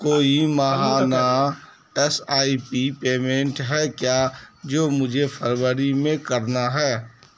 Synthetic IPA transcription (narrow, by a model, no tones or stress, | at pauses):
koːimaɦana | ɛsaːipipeːmẽɳʈɦɛkjaːd͡ʒoːmʊd͡ʒʱepʰəɾwəɾimẽkəɾnaɦɛː